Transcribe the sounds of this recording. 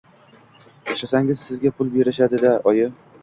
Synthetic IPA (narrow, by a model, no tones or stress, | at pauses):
eʃasaŋʲɪz̥sɪzɡʲapʰʊlˠbeɾɪʃad̪ɪd̪aɒjɪ